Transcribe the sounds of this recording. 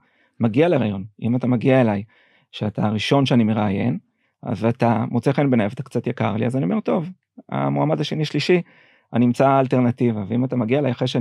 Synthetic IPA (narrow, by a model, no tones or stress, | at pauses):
maɡialeʁaːjo̞nḭmatamaɡiae̞laj | ʃeataʁiʃo̞nʃeanime̞ʁaːje̞̰n | a̰zatamʔot͡seχenbenaevat̪ḁkt͡sat̪jaka̰ʁlḭazanio̞me̞ʁt̪o̞v | a̰moamad̪aʃe̞niʃliʃi | animt͡saːlte̞ʁnativaveimatamaɡiaelajaχʁeʃea